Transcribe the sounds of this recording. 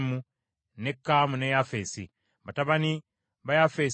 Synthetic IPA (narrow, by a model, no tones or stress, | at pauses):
mu | nekːamunejafesḭ | βataβani | βajafeːs